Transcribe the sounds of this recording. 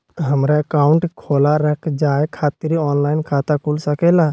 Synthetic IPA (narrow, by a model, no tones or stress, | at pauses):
ɦəmɾaəkaːʊɳʈkʰoːlaɾəkʰd͡ʒaːekʰaːt̪ɪɾiɔːnlaːɪnkʰaːt̪akʰulsəkeːlaː